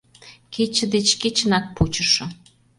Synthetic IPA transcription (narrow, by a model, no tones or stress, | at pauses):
ket͡ɕə̆d̪et͡ɕket͡ɕə̆nɑk̚put͡ɕə̆ʃɤ̆